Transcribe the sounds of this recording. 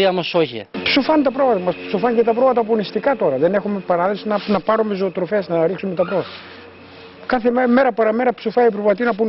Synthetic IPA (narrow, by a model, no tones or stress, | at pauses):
iɐmosoçḭpsofɐnt̪ɐpɾovmɐt̪ɐmɐspsofɐɲcet̪ɐpɾo̞mɐt̪ɐp̬onist̪ikɐt̪o̞ɾɐðe̞ne̞xume̞pɐɾɐðesinɐnɐpɐɾome̞zo̞ːt̪ɾo̞fe̞snɐɾiksume̞t̪ɐpɾo̞vɐt̪ɐ | kɐθeme̞ɾɐpɐɾɐme̞ɾɐpsofɐipɾovmɐt̪inɐpun